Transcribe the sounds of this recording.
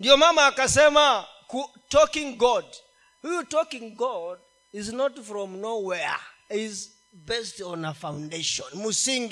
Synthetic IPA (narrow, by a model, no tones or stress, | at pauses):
ndijɔmamaːkasɛma | ku | tɔkĩŋɡɔd | hujutɔkĩŋɡɔd̚ | iznɔtfɹɔ̃mnowɛə̰iz | bɛstɔ̃nəfãʊ̃ndeʃɔ̃nmusĩŋɡi